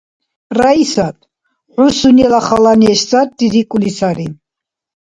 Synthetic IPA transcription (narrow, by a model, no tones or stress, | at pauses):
raisat̪ʰ | ħusunɛlaχalaniɛʃt͡sʼat̪̚d̪id̪ikʼulisaɾi